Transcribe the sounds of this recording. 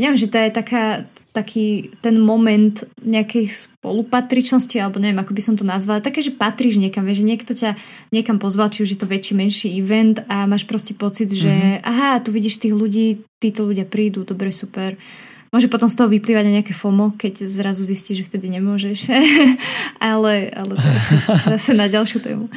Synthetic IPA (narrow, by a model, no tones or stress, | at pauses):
ɲɛʋjɛmʒɛt̪ɔjɛt̪akaːt̪akʰiːt̪ɛnmɔmɛnt̪ɲɛakɛjspɔ̰lupat̪ɾit͡ʃnɔscialɛbɔɲɛʋɛmakɔbisɔmt̪ɔnazʋalat̪akɛːʒɛpat̪ɾiːʒɲɛkamʋɪɛʒɛɲɪɛkt̪ɔca | ɲɛkampɔzʋalt͡ʃiuʒjɛt̪ɔʋɛt͡ʃiːmɛnʃiiʋɛnt̪amaːʃpɾɔscɛpɔt͡sid̪ʒɛʔaɦat̪uʋiɟiːʃt̪iːɣluɟiːt̪iːt̪ɔʎuɟɪapɾiːd̪ud̪ɔbɾɛsupɛɾ | mʊɔʒɛpɔt̪ɔmst̪ɔɦɔʋipliːʋaɟɲnaɲɛakɛfɔmɔkɛɟzɾazuzisciːʒʒɛft̪ɛd̪iɲɛmʊɔʒɛʃ | alɛʔa̰lɛt̪ɛasɛzasɛnaɟalˠʃjut̪ɛ̰ːmu